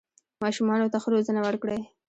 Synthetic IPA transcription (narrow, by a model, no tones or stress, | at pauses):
mɑʃumɑnot̪axɾozənawəɾkɽej